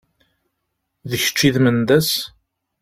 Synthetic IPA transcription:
ðəçə̥t͡ʃːiðmənd̪æs

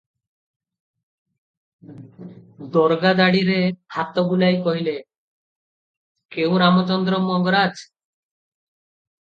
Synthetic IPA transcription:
d̪ɔɾɡad̪aɽiɾehat̪ɔɡulajkɔɦile | kew̃ɾamɔt͡ʃɔnd̪ɾɔmɔŋɡɔɾad͡ʒ

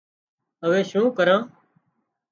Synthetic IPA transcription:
əʋeːʃũːkəɾãː

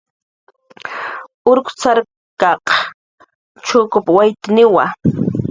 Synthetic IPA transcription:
ʊɾkʊ̥t͡saɾ | kɑq | t͡ʃʊkʊpwajt̪ɪnɪwa

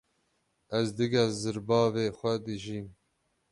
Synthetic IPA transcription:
ɛzd̪ɨɡɛzɨɾbɑːveːxʷɛd̪ɨʒiːm

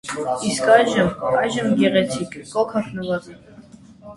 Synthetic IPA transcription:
iskɑjʒəmɑjʒəmɡɛʁɛt͡sʰikʰːɔkʰɑχʰnuvɑti

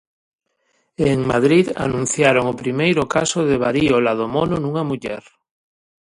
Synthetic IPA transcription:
eŋma̰ð̞ɾiða̰nũn̟θjaɾoŋopɾimejɾʊkasoðɪβaɾiolað̞omonʊnuŋamuʎɛ̰ɾ

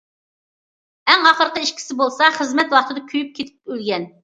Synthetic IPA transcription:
ɛŋɑχəɾqəiʃkʲʰi̥sɪbolˠsɑχəzmɛt̪wɑχt̪ɨd̪ɑkʲʰyjyp̚kʲʰet̪ʰɪ̥p̚ølɡʲɛn

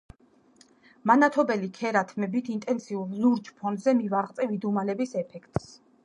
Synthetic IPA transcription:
manat̪ʰɔbɛlikʰɛɾat̪ʰmɛbit̪ʰint̪ʼɛnsiulˠzuɾt͡ʃpʰɔnd̪zɛmivaʁt̪sʼɛvid̪umalɛbisɛpʰɛkʰt̪ʼs

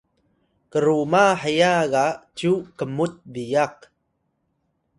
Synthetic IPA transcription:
kəɾumaħəjaɣat͡ʃukəmut̚bijaq̚

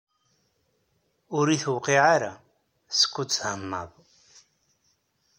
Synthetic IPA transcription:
uɾiθwqiʕaɾa | skʰʷʊt͡sʰhamːa̰β

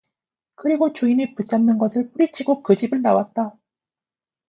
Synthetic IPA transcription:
kɯɾiɡot͡ɕuinepɯt͡ɕʰamnɯnɡʌsʰɯɭp͈uɾit͡ɕʰiɡokɯd͡ʑibɯɭnawat̚t͈a

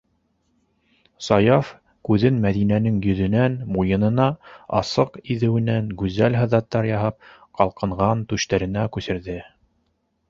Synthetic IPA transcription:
sɑjɑf | kʉðɘnmæðinænɘŋjɵ̆ðɵ̆nænmujɤ̆nɤ̆nɑɑ̰sɤqiðɘ̆wɘ̆næŋɡʉzælɦɤ̆ðɑt̪ːɑɾjɑɦɑp̚qɑlˠqɤ̆ɴʁɑnt̪ʉʃt̪æɾɘ̆nækʉsɘ̆ɾðɘ

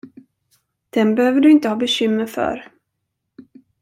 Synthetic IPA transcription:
d̪̥ɛnbɛhøːvəɖɵɪnt̪əhɑːbɛɕʏmːəɾfœ̰ɾ

